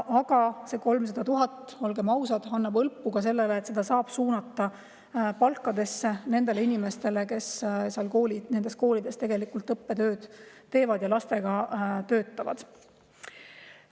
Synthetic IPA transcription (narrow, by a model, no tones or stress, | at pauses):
ʔɑɡ̥ɑse̞ko̞lms̬ɑd̪̥ɑt̪uɦɑt̪ːˑo̞lɡe̞mɑwsɑd̪̥ɑnːɑbɤlpːˑuɡ̥ɑse̞lːeleːt̪se̞d̪̥ɑsɑːb̥suːnɑt̪ːɑ | pɑlkːˑɑd̪̥e̞sːe̞ne̞nd̪̥e̞leinime̞st̪e̞le̞ke̞sseɑlkoːlinend̪̥e̞st̪ko̞ːlid̪̥e̞st̪e̞ɡelikult̪ˑɤpːe̞t̪ø̞ːd̪̥t̪ːe̞ːvɑd̪̥jɑlɑst̪e̞ɡ̥ɑt̪ø̞ːt̪ːˑɑvɑ̰d̪̥